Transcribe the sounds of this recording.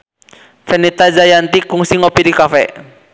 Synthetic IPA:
fɛnit̪ad͡ʒajant̪ikuŋsiŋɔpidikafɛ

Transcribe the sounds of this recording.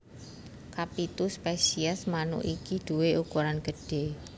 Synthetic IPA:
kapit̪uspɛsiɛsmanṵʔikiɖ̪̥ṳweʔukuɾanɡ̥ə̤ɖ̥e̤

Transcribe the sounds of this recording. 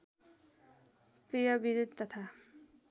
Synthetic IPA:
pɾijʌbiɾud̪̚t̪ʌt̪ʰa

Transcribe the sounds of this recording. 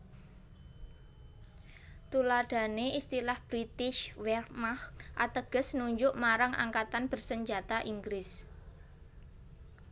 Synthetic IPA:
t̪ulaɖ̥a̤neist̪ilahb̥ɾit̪ɪʃwɛrmahʔa̰t̪əɡ̥ə̤snuɲd͡ʒʊʔmaɾaŋʔa̰ŋkat̪anb̥ə̤rsəɲd͡ʒat̪aʔiŋɡɾɪs

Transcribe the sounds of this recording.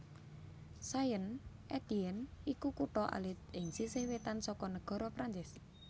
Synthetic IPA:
sajən | ʔɛd̪̥iɛnikukuʈɔʔa̰lɪt̪̚ɪŋsisehwet̪ansɔkɔnəɡ̥ɔ̤ɾɔpɾaɲt͡ʃɪs

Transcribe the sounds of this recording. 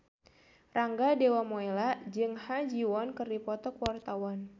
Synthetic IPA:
raŋɡadewamoelad͡ʒɨŋhad͡ʒiwɔnkɨrdipɔt̪ɔkwart̪awan

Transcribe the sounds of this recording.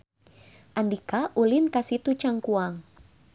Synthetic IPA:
ʔand̪ikaʔulinkasit̪ut͡ʃaŋkuaŋ

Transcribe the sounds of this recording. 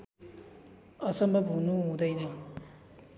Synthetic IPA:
ʌsʌmbʱʌbɦunuɦũd̪ʌjnʌj

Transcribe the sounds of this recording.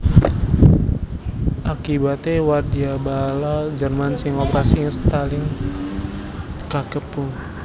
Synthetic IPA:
ʔakibat̪ɛwardiabalad͡ʒərmansiŋopɾasiaŋst̪alɪŋ | kakəpuŋ

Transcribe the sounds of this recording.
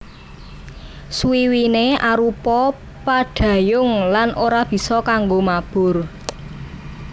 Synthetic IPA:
swiwineʔaɾupɔ | paɖ̥ä̤jʊŋlanʔoɾab̥i̤sɔkaŋɡomab̥ʊ̤r

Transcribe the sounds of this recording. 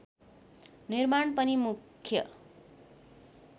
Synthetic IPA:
nirmaɳpʌnimukʰːjʌ

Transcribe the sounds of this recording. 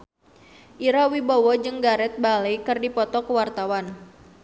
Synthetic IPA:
ʔiɾawibawɔd͡ʒɨŋɡaɾɛt̪̚baləjkɨrdipɔt̪ɔkəwart̪awan

